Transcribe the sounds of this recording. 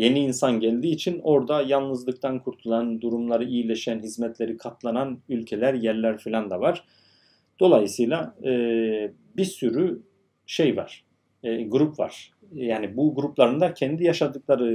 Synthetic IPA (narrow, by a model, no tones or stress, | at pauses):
je̞niːnsanɟælʲd̪iːt͡ʃʰino̞ɾd̪ajalˠnɯzlˠɯk̚t̪ʰankʰuɾt̪ʰulˠand̪uɾumlˠaɾɯijilʲeʃænɦizmɛt̪lʲe̞ɾikʰat̪lˠananylʲcʰe̞lʲæɾjæɾlʲæɾfilʲand̪avaɾ̥ | d̪̥o̞lˠajɯsɯjlˠaɯː | bisyɾy | ʃejva̰ɾ̥ː | ɡuɾupva̰ɾ̥ | jaːnibuɡuɾuplˠaɾɯnd̪acʰɛnd̪ijaʃad̪ɯklˠaɾɯ